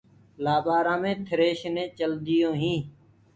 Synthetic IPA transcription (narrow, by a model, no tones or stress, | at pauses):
laːbaːɾãːmẽːt̪ʰəɾeːʃnẽːt͡ʃəld̪ɪjõːɦĩː